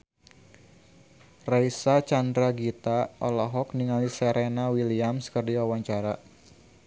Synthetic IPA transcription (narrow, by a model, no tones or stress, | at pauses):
raisat͡ʃandɾaɡit̪aɔlɔɦɔk̚niŋalisɛɾenawiliamskərdiwawaɲt͡ʃaɾa